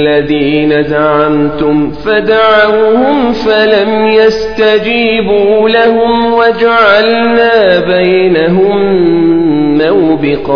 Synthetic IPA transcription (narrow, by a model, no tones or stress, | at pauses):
lːaðiːnad̪aʕamt̪ʊmfad̪aʕawhʊmfalamjast̪ad͡ʒiːbuːlahʊmwad͡ʒaʕalnaːbajnaɦʊm | awbɪqɑ